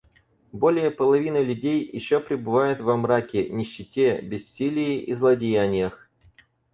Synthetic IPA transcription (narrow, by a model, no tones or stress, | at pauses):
bo̞lʲɪjəpəlˠɐvʲinɨlʲʉdʲejːɪ̰ɕːopɾʲɪbɨvajʊt̪vɐmɾakʲɪnʲɪɕːɪtʲebʲɪsʲːilʲɪjɪʔizlˠɐdʲɪjanʲɪjəx